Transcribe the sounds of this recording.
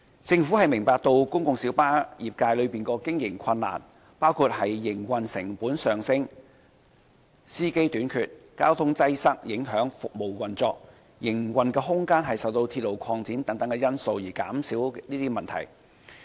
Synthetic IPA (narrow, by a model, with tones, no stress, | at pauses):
t͡sɪ˧ŋfuː˨˥hɐ˨jmɪ˨˩ŋpaː˧k̚t̪o˧wkʊ˥ŋkʊ˨ŋsi˨˥wpaː˥jiː˨˩p̚kaː˧jlɵ˨˧piː˨˩nkɔː˧kɪ˥ŋjɪ˨˩ŋkʰɐ˧nːa̰ː˨˩n | paː˥wkʰu˧t̚hɐ˨jːɪ˨˩ŋwɐ˨nsɪ˨˩ŋpuː˨˥nsœː˨ŋsɪ˥ŋ | siː˥ke˥jt̪yː˨˥nkʰyː˨t̚kaː˥wt̪ʰʊ˥ŋt͡sɐ˥jsɐ˥k̚jɪ˨˥ŋɦœː˨˥ŋfʊ˨k̚mo˨˩wwɐ˨˩nt͡sɔː˧k̚ | jɪ˨˩ŋwɐ˨nkɛː˧ɦʊ˥ŋkaː˥nɦɐ˨jsɐ˨wt̪o˧wt̪ʰi˧t̚lo˨wkʰɔː˧ŋt͡siː˨˥nt̪ɐ˨˥ŋt̪ɐ˨˥ŋkɛ˧jɐ˥nso˧wjiː˨˩kaː˨˥msiː˨˥wniː˥t̪iː˥mɐ˨nt̪ʰɐ̰˨˩j